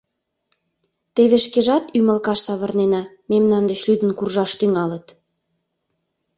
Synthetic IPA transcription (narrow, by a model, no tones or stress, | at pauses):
t̪eβeʃkeʒɑt̪ymə̆lkɑʃsɑβə̆rnenɑ | memnɑnd̪ət͡ɕlyd̪ənkurʒɑʃt̪yŋɑlət̪